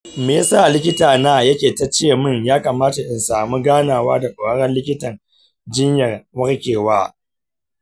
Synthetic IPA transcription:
meː˨˦saː˦˨lɪ˦kʲɪ˦taː˨naː˦˨jɐ˦kʲeː˨ta˦t͡ʃeː˦˨mɪ˦˨ɲjaː˦kɐ˨maː˦ta˨ʔɪ˨nsaː˨mu˦ɡaː˦naː˨waː˦da˨kʷʼʊː˨ɐ˦ɽɛ˦nlɪ˦kʲɪ˦tɐ˨n | d͡ʒɪ˦ɲjɐ˨rwɐ˦ɽkʲeː˨waː˦

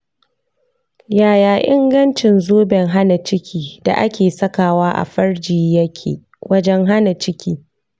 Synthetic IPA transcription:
jaː˨jaː˨ʔɪ˦ŋɡɐ˦nt͡ʃɪ˨nzoː˦bɛ˨ŋɦa˦na˨t͡ʃɪ˦kʲʰiː˦d̥a̰˨ʔa˦kʲʰeː˨sɐ˦kaː˨waː˦ʔa̰˨ɸɐ˦rd͡ʒiː˨jɐ˦kʲʰḛ˨ | wɐ˦d͡ʒɛ˦ŋɦa˦na˨t͡ʃɪ˦kʲiː˦

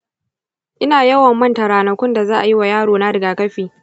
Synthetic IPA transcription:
ʔɪ˦naː˨jɐ˦wɐ˨mːɐ˦ntɐ˨ɾaː˨nɐ˨kʷʊ˦nda˨zaː˦ʔa˨ji˦wa˨jaː˦ɽoː˨na˦ɽɪ˨ɡaː˨kɐ˦ɸiː˨

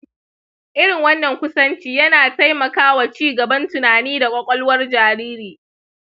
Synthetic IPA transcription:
ʔɪ˦ɽɪ˨ŋwɐ˦nːɐ˨ŋkʷʊ˦sɐ˦nt͡ʃiː˦jɐ˦naː˨ta˦jmɐ˨kaː˦wa˨t͡ʃiː˦ɡɐ˨bɐ˦ntʊ˨naː˨niː˦da˨kʷʼɔ˦kʷʼɔ˦lwɐ˦rd͡ʒaː˨ɾiː˦ɾiː˨

